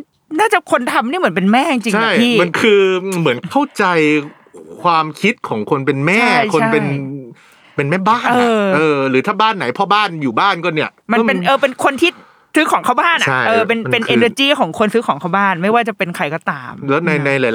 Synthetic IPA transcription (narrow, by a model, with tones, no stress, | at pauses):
naː˥˩t͡ɕa˨˩kʰo˧nt̪ʰa˧mniː˥˩mɯ˩˦np̬e˧nmɛː˥˩t͡ɕi˧ŋt͡ɕi˧t͡ɕʰa˥˩j̪ʰiː˥˩ma˧nkʰɯː˧mɯ˩˦ənkʰa˥˩wt͡ɕa˧j | kʰwaː˧mkʰi˦˥t̪̚kʰɔː˩˦ŋkʰo˧npe˧nmɛː˥a˥˩˥jkʰo˧an˥pe˧n | pe˧nmɛː˥˩baː˥˩ɤː˧ʔɤː˧ɾɯː˩˦t̪ʰaː˥˩baː˥˩nːa˩˦jpʰɔ˦˥baː˥˩njuː˨˩baː˥˩nkɔ˥˩ni˥˩ɐma˧˥npe˧nʔɤː˧˩pe˧nkʰo˧nt̪ʰiː˥˩ | sɯ˦˥kʰɔː˩˦ŋkʰa˥˩wbaː˥˩nʔa˨˧a˥˩jʔɤː˧pe˧nm˧pe˧nʔeː˧nəː˧t͡ɕiː˥˩kʰɔː˩˦ŋkʰo˧nsɯ˦˥kʰɔː˩˦ŋkʰa˥˩wbaː˥˩nma˥˩jwaː˥˩t͡ɕa˨˩pe˧nkʰɾa˧jkɔː˥˩t̪aː˧mlɛː˦˥na˧jna˧jla˨˦